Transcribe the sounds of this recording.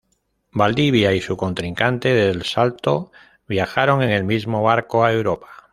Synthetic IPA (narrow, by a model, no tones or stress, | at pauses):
bald̪iβ̞jaisuko̞nt̪ɾiŋkant̪e̞ðelsalt̪o̞ | βjaxaɾo̞ŋe̞ŋe̞lmizmo̞βaɾkoaewɾopḁ